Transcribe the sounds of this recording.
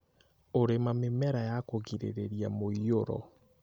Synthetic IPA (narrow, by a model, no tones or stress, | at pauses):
oɾemamemɛɾajakoɣiɾḛɾeɾiamoioɾɔ̰